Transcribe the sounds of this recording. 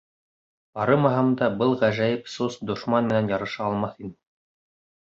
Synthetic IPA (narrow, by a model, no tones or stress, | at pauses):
bɑɾɤmɑɦɑmd̪ɑbɤlˠʁæʒæjɘpsusd̪ŏʃmɑnmɘ̆nænjɑɾɤ̆ʃɑːlˠmɑθin